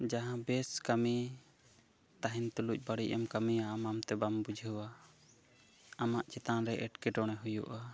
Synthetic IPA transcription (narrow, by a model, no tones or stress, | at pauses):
d͡ʒaɦãbɛskami | t̪aɦint̪uluc̚ˀbaɽiʔɛmkamijaːmamt̪ɛbambud͡ʒʱəwa | amaʔt͡ʃɛt̪anɾɛʔɛʈkɛʈɔɽ̃ɛɦujṵʔa